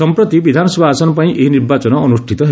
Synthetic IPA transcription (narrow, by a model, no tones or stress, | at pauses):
ɔmpɾɔt̪ibid̪ʱanɔsɔbaːsɔnɔpãĩʔeɦiniɾbat͡ʃɔnɔːnusʈʰit̪ɔɦe